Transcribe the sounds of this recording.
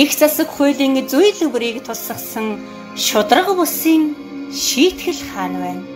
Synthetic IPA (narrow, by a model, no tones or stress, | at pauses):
ext͡sasə̆kχʊːɮiːŋt͡sujɮɵwɾiːkt̪ʰʊɮsə̆χsə̆ŋ | ʃʊt̪rə̆qpʊɮsiːŋ | ʃiːt̪xɘ̆ɮχaːnpæːn